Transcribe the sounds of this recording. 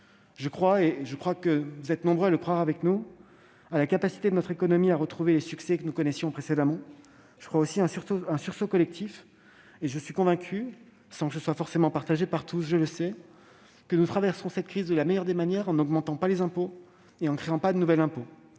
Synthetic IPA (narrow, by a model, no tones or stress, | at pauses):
ʒəkχwaeʒəkχwakəvuzɛt̪nɔ̃bʁøaləkχwaʁavɛknu | alakapasi̥t̪ed̪ənɔt̪χekɔnɔmiaʁət̪χuvelesyksɛkənukɔnɛsjɔ̃pχesed̪amɑ̃ | ʒ̥əkχwaosiɛ̃syʁsoɛ̃syʁsokɔlɛk̚t̪ʰif | eʒəsɥikɔ̃vɛ̃kʲʰy | sɑ̃kəsəswafɔʁsemɑ̃paʁt̪aʒepaʁt̪usʒələsɛ | kənut̪χavɛʁsɔ̃sɛt̪kχizd̪əlamɛjœʁd̪emanjɛʁɑ̃nɔɡmɑ̃t̪ɑ̃palezɛ̃po | eɑ̃kχeɑ̃pad̪ənuvɛlɛ̃po